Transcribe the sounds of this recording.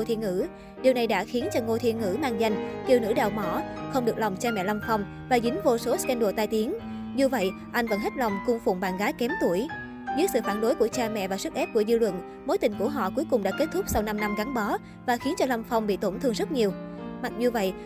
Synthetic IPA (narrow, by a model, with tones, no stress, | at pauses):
o˧t̪ʰḭ˧˨ŋɨ̰˧˥ | ɗi˨˩əwna˨˩jɗa̰ː˧˥xi˨˦ənt͡ɕɔ˧ŋo˧jt̪ʰi˧ənŋɨ̰˧˥maː˧ŋza˧jŋ̟ki˨˩wnɨ̰˧˥ɗa̰ː˧˨wmɔ˧˩xə˧wŋ͡mɗɨ˨˩ək̚la˨˩wŋ͡mt͡ɕaː˧mɛ̰˧˨la˧wŋ͡mfa˧wŋ͡m | vaː˨˩ɣï˨˦ŋ̟vo˧so˨˦skɛ˧nɗo˧˩t̪aː˧jt̪i˨˦ən | zu˧və̰˧˨j | ʔa˧jŋ̟və̰˧˥nɦe˦˥t̚la˨˩wŋ͡mkʊ˧ŋ͡mfʊ˨˧˨ŋ͡mɓaː˧˨nɣaː˨˦jkɛ˨˦mt̪u˧˩əj | zɨ̰˦˥ksɨ̰˧˨faː˧˩nɗo˨˦jku˧˩ət͡ɕaː˧mɛ̰˧˨vaː˨˩sɨ˦˥k̚ʔɛ˦˥p̚ku˧˩əzɨ˧lwə̰˧˨n | mo˨˦jt̪ï˨˩ŋ̟ku˧˩əɦɔ̰˧˨ku˨˦jkʊ˨˩ŋ͡mɗa̰ː˧˥ke˦˥t̚t̪ʰʊ˦˥k͡p̚sa˧wna˧mna˧mɣa˨˦nɓɔ˨˦ | vaː˨˩xi˨˦ənt͡ɕɔ˧la˧wŋ͡mfa˧wŋ͡mɓḭ˧˨t̪o˧˩nt̪ʰɨ˧əŋzə˦˥t̚ɲi˨˩əwma˨˩t̚zu˨˧və̰˧˨j